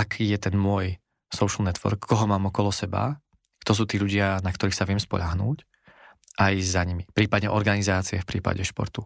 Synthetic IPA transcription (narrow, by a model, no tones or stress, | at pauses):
akʰiːjɛt̪ɛnmʊɔj | sɔʊʃl̩nɛt̪ʋɔ̰ɾkːɔɦɔmaːmɔkɔlɔsɛba̰ | kt̪ɔs̬uːt̪iːlʎuɟɪanakt̪ɔɾiːxsaʋɪɛmspɔ̰ʎaɦnuːc | ʔajzaɲimipɾiːpad̪ɲɛʔɔɾɡanizaːt͡siɛfpɾiːpa̰ɟɛʃpɔ̰ɾt̪u